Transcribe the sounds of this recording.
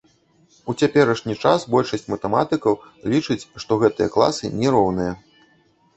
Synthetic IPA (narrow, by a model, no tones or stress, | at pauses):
ut͡sʲapʲɛɾɐʂnʲit͡ʂasbɔlʲʂɐsʲt͡sʲmɐt̪ɛmat̪ɨkɐwlʲit͡ʂɨt͡sʲʂt̪ɔɣɛt̪ɨjɐ̰klˠa̰sɨnʲɛɾɔwnɨjɐ